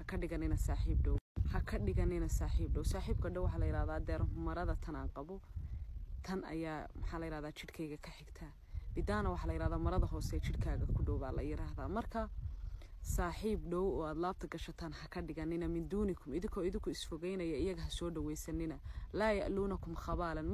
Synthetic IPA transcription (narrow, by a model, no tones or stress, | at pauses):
hɐkʰɐɖɪɣɐnɪnɐsaːħiːbɖɔwhɐkʰɐɖɪɣɐnɪnɐsaːħiːb̚ɖɔwsaːħiːb̚kʰɐɖɔwɑħɑlɐjɪɾaːðaːd̪ɛːɾɦʊmɐɾɐðɐt̪ʰɐna̰ːŋqɑβɔ | t̪ʰɐnɐ̰jaːmɐħɑːlɐjɪɾaːhðaːt͡ʃɪd̪kʰɛjɣɐkʰɐħɪɡt̪ʰaː | b̥ɪd̪aːnɐwɑħɑlɐjɪɾaːðaːmɐɾɐðɐɦɔːsɛːt͡ʃʰɪdkʰaːɣɐkʰʊɖɔwbaːlɐ̰jɪɾaːɦðaːmɐrkʰɐ | saːħiːbɖɔwɔːaːd̪laːb̚t̪ʰɐɡɐʃɐt̪ʰaːnhɐkʰɐɖɪɣɐnːɪnɐmɪnd̪uːnɪkʰʊmɪðɪŋkʰɔːɪðɪŋkʰʊɪsfɔɣɛjnɐjɐɪjɐɣɐɦɐsɔːɖɐwɛjsɐnːɪnɐlaːjɐ̰ʔluːnɐkʰʊmxɑβaːlɐn